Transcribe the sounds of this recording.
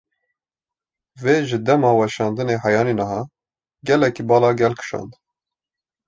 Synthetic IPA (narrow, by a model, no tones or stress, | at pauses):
veːʒɨd̪ɛmɑːwɛʃɑːnd̪ɨneːɦɑjɑːninɑɦɑː | ɡɛlɛkibɑːlɑːɡɛlkʰɨ̥ʃɑ̰ːnd̪